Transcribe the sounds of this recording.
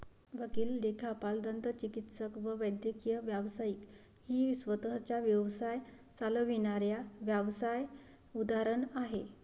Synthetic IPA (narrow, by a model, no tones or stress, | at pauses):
ʋəkiːlːekʰapald̪ənt̪ət͡ɕikit̪səkʋəʋəjd̪jəkijəʋjaʋsajiːk | hiːsʋət̪əɦt͡ɕaʋjəʋsaj | t͡saləʋinaɾjaʋjaʋsaj | ud̪aɾəɳaɦe